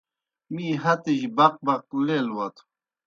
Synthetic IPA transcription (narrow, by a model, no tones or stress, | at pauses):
mĩːɦɐt̪eʑbɐq̚bɐq̚lelwɐt̪ʰ